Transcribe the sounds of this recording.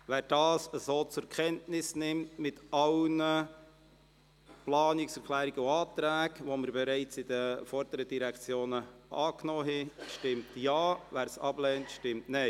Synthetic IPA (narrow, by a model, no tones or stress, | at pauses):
væːɾd̥ɑːsəzoːt͡sʊkχɛntnɪsnɪmtmɪtɑlnə | plɑːnɪksɛɾkʰlæːɾiɡəuɑːtɾæːkʋoməɾbɛɾaɪt͡sɪd̥əfɔɾd̥əɾədiɾɛkt͡sjoːnəʔɑːknɔːɦɛʃtɪmtjɑːvæːɾsɑblɛːntʃtɪmtnɛɪ